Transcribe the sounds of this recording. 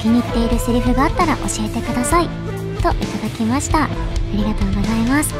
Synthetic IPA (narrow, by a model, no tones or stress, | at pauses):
kʲiɲ̟it̪ːe̞iɾɯ̟sɨɾʲiɸɯ̟ɡaːt̪ːaɾaʔo̞̰ɕie̞t̪e̞kɯ̟d̪asai | t̪o̞ʔit̪ad̪akʲimaɕi̥t̪a | aɾʲiɡat̪o̞ːɡo̞zaimasɨ̥